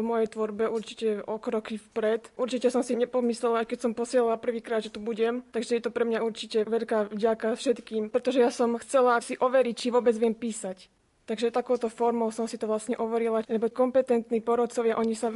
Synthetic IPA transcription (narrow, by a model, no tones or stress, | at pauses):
mɔjɛjt̪ʋɔɾbɛʔuɾt͡ʃi̥cɛɔkɾɔkifpɾɛt̪ʔuɾt͡ʃicɛsɔmsiɲɛpɔmislɛlaajkɛcsɔmpɔsɪɛlalapr̩ʋiːkɾaːd̪ʒɛt̪ubuɟɛmt̪aɡʒɛjɛt̪ɔpɾɛmɲauɾt͡ʃicɛʋɛʎkaːvɟakafʃɛt̪kiːmpɾɛt̪ɔʒɛjasɔmxt͡sɛlasiʔɔʋɛɾict͡ʃiʋʊɔːbɛd͡zʋɪɛmpiːsac | t̪aɡʒɛt̪akɔʊt̪ɔfɔɾmɔʊsɔmsit̪ɔʋlasɲɛʔɔʋɔɾilaɛbɔkɔmpɛt̪ɛnt̪niːpɔɾɔt̪t͡sɔʋɪaʔɔɲisa